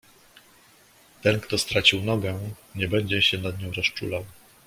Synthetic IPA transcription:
t̪ɛnkt̪ɔst̪ɾat͡ɕiwnɔɡɛɲɛbɛɲd͡ʑɛɕɛnad̪ɲɔ̃w̃ɾɔst͡ʂulaw

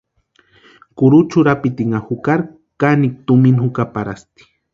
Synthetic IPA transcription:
kʊɾut͡ʃʊɾapit̪iŋahukaɾ | kanik̚t̪uminhʊkapaɾast̪i̥

